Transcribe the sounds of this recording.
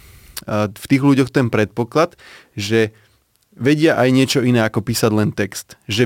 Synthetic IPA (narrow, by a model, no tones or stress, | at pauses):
ft̪iːɣluɟɔxt̪ɛnpɾɛt̪̚pɔklat̪ʒɛ | ʋɛɟɪaʔajɲɪɛt͡ʃɔinɛːakɔpiːsaɟlɛnt̪ɛkst̪ʒɛ